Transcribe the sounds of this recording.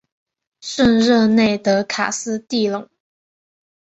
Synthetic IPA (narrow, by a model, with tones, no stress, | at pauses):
ʂə˥˧nɻɤ˥˧ne˥˩ɪt̪ɤ˧˥kʰa̰˨˩sɹ̩˥t̪i˥˩lɤ˨˩˦ŋ